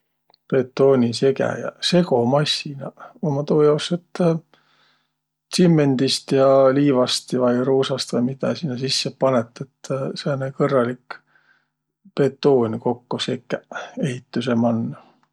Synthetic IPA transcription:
pe̞t̪ːˑoːnʲise̞kæ̰jɑ̰se̞ko̞mɑsːinɑomɑt̪oːjɑwset̪ː | simːe̞nd̪̥ist̪jɑliːvɑst̪vɑjɾoːsɑst̪vɑjmid̪ɑ̰sinːɑsisːepɑnet̪ːˑet̪ːsenekɤrːɑlik | pe̞t̪ːˑo̞ːnʲko̞kːosekːæe̞ɦit̪ːuse̞mɑnːɑ

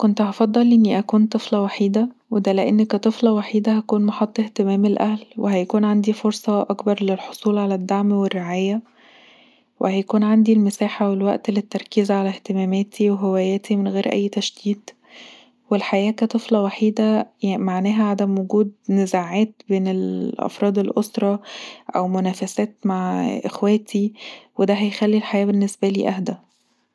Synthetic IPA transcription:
kont̪hɑfɑd̪ˤːɑlʔenːiʔækuːnt̪ˤɨflɑwaħiːd̪æwed̪æleʔenːkæt̪ˤɨflɑwaħiːd̪æhækuːnmɑħɑt̪ˤːeht̪emæːmelʔæhlweɦæjækuːnʕand̪ifoɾsˤɑʔɑkbɑɾˤlelħosˤuːlʕalæd̪ːaʕmwerːeʕaːjæ | wehæjækuːnʕand̪ilmesæːħawelwæʔt̪let̪ːɑɾˤkizʕalæht̪emæːmæːt̪ʰiweɦewæːjæːt̪ʰimenɣeːɾʔæ̰jːt̪æʃd̪iːd̪ | welħajæːkæt̪ˤɨflɑwaħiːd̪æmaʕnæːɦæʕad̪æmwoɡuːd̪nezaʕæːt̪beːnelʔɑ̰fɾˤɑːd̪elʔosɾˤɑʔæ̰wmonæːfæsæːt̪maʕʔḛxwæːt̪ʰiwed̪æɦæjxælːilħajæːbenːesbæliːʔæhd̪æ

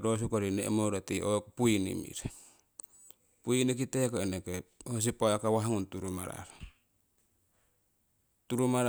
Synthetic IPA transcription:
ɾos̬ukoɾinḛmoɾatiokpuinḭmḭɾ | puinik̬itekoenekehos̬ipaakawaɦaŋuntuɾuma̰ɾa̰ɾ | tuɾumaɾ

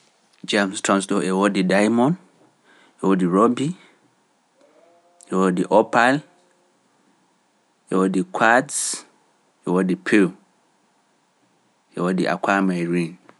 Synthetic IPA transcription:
d͡ʒamstɹãnsdɔʔewɔdidajmɔ̃n | ewɔdiɹɔbi | ewɔdiʔɔpal | ɛwɔdikʰads | ewɔdipʰil | ɛwɔdiʔa̰kwamaɹĩn

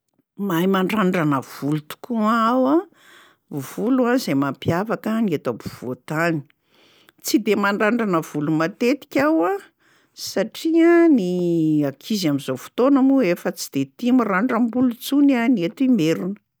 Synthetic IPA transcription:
majmaɳɖ͡ʐaɳɖ͡ʐanəv̥ulut̪u̥kuaawa | v̥uluazejmampjavakəniet̪abuv̥ot̪ani̥ | t͡sid̪emaɳɖ͡ʐaɳɖ͡ʐanəv̥ulumat̪et̪i̥kʲawa | saʈ͡ʂianiakʰizamizofu̥t̪onamuefət͡sid̪̥et̪imiraɳɖ͡ʐəmbulut͡sunaniet̪imeɾunə

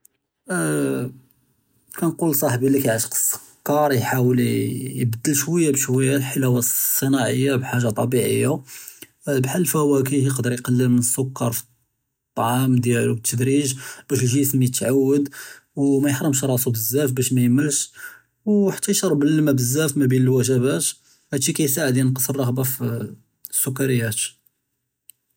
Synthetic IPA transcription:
kænqulsˤɑħbilikæjʕəʃə̥qə̥sˤːə̥ | kːɑɾˤjħawəljbəd̪ːəlʃwæjːabʃwæjːalħəlæwæsˤːənɑʕəjːabħaʒːɑt̪ˤɑbiʕə̰jːa | bħalːfæwæk̬əhjəqd̪əɾjqɑlːəlmənəsːʊkːɑɾˤfi̥ | t̪ˤːɑʕɑmd̪jælubt̪ʰːəd̪ɾiʒbæʃʒismijət̪ːʕawːəd̪wmæjəħɾˤəmʃɾˤɑsubəzːæfbæʃmæjəməlʃ | wħḁt̪ːæjʃɑɾˤːbəlmæbəzːæfmæbinəlwæʒæbæt̪ | hæd̪ʃikæjsaʕəd̪jænqəsˤərˤːɑɣbɑf | sːʊkːɑɾəjːæt̪

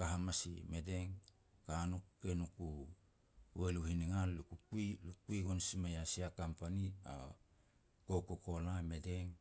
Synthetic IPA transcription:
kaɦamasḭme̞de̞ŋ | kanukːenuku | weluhiniŋallukukuilukuiɡonsimajasiakampania̰ | kokoko̞lame̞deŋ

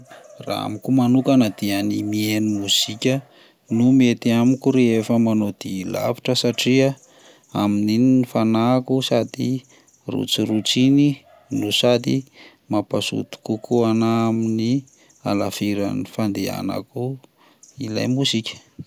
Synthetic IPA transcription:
ra̰a̰mikumanukanad̪ianimienimuzikʲə | numet̪iamikuɾeefəmanod̪̥ila̰vi̥ʈ͡ʂəsaʈ͡ʂia | aminininifanakusad̪i | rṵt͡siɾut͡sini | nusad̪i | mapasṵt̪u̥kukʰuanaamini | a̰lafiɾa̰nifand̪ea̰na̰ku | ila̰jmusikʲə̥

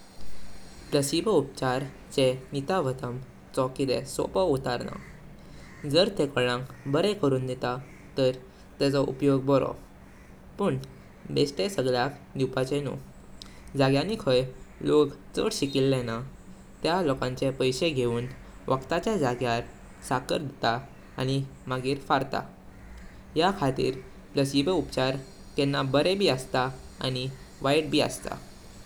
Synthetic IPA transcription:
pɾəɕibup̚t͡ɕaɾ | t͡ɕenit̪aʋət̪əm | t͡sɔkid̪ḛso̰pəut̪aɾna̰ | d͡zəɾt̪ekəɭãŋkbəɾɛkəɾuːnd̪et̪a | t̪əɾ | t̪ɛt͡sɔʔṵpjoɡ̚bɔɾɔ̰ | pəɳ | besʈ̪esəɡɭjakd̪iwpat͡ɕenṵ | d͡zaɡjanikʰəjlokt͡sə̰ɽɕikilːɛna | t̪jalɔkãɲt͡ɕepəjɕeɡʱeuːn | ʋʔəkt̪at͡ɕjad͡zaɡjaɾ | sakə̰ɾd̪ʱiet̪a | a̰ñimaɡiːɾfaɾt̪a̰ | jakʰat̪ḭːɾ | pləsiʋeupt͡ɕaɾ | t̪ɛnːabəɾebʱiːəst̪aa̰ñi | ʋajɽ̚bʱiːə̰st̪a̰

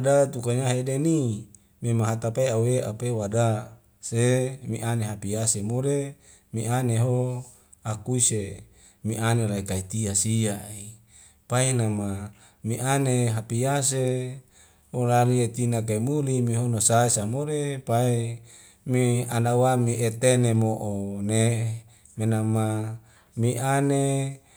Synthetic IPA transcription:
adat̪ukaɲaɦedeni | memaɦat̪apaeaweʔapewada | semiʔaneɦapijasemoɾe | miʔaneɦo | akuise | miʔanelaikait̪iasiai | painama | miʔaneɦapiase | holaliet̪inak̬aimulimiɦonosaesamoɾepae | mianawamiʔet̪enemoʔone | menama | miʔane

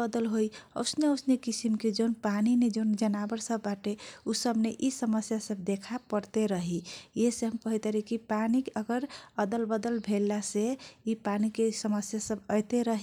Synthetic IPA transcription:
əd̪əlɦojə̰ʊsneəʊsnekisimked͡ʒoʊnpanined͡ʒoʊnd͡ʒənabəɾsəbːaʈeusəbneʔisəməsjasəb̚d̪ekʰapəɾt̪eɾəɦijeseɦəmpəɦit̪eɾikipanikəɡəɾəd̪əlbəd̪əlbʱelːaseipanikesəməsjasəbəjt̪eɾəɦi

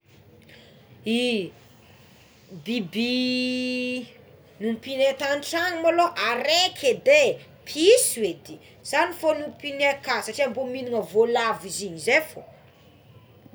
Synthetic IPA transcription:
i | bibi | nupinet̪anʈ͡ʂaŋimoloʔaɾekʰed̪e | pʰiswed̪i | z̥anifonupinekasaʈ͡ʂiambominiŋəvolaviziɲizefo

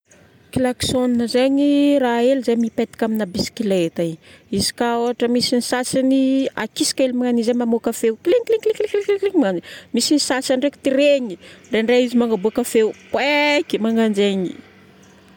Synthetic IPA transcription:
kilaksoninəzeɲiraelizejmipet̪i̥kʲaminabisi̥kilet̪aiizi̥kaoaʈ͡ʂəmisinisasinia̰kisi̥kelimaŋanizemamokafewkileɲikleŋklekkleklekleŋimanimisinisasanrekt̪iɾeɲiɳɖ͡ʐeɳɖ͡ʐaizimaŋɡabuakafeupwekimaŋand͡ʒeɲi̥

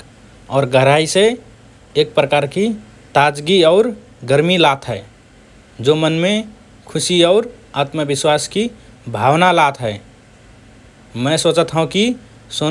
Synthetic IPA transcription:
ɔːɾɡəɾaːise | eːk̚pɾəkaːɾki | t̪aːd͡ʒɡiɔːɾ | ɡəɾmilaːt̪ʰɦɛː | d͡ʒoːmənmẽ | kʰʊsiɔːɾaːt̪məbɪswaːski | bʱaːwnalaːt̪ʰɦɛː | mɛ̃ːsoːt͡ʃət̪ɦəũki | soː

